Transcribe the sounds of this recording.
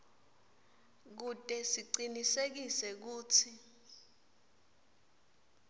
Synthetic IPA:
k̬utʼɛsiǀinisek̬isɛk̬uːt͡sʰi

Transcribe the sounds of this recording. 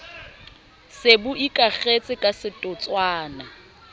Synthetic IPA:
sebʊʔikʼaɣet͡sʼɪkʼasɪtʼʊt͡sʼwaːna

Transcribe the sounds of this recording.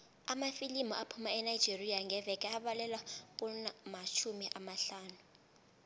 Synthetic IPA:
amafilimɔʔapʰumaɛnaid͡ʒʱeriaŋɡʱɛvɛkʼɛaɓalɛlwapʼunamat͡ʃʰumiʔamaɬaːnu

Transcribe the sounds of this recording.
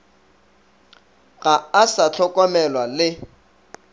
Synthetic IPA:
ɣaasat͡ɬʰɔkʼɔmɛlwalɪ

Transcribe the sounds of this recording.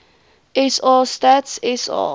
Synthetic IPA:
ʔɛsɑːstatsɛsɑ̰

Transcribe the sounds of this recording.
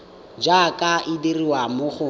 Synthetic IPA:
d͡ʒakʼaʔɪdiriwamʊχʊ

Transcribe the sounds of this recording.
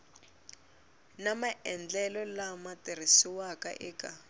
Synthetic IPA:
namaʔɛnd͡ɮɛlɔlamatir̤isiwaka̰ʔɛːkʼa

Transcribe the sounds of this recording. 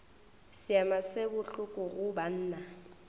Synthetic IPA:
sɪamasekʊɬʊkʼʊɣʊban̩ːna

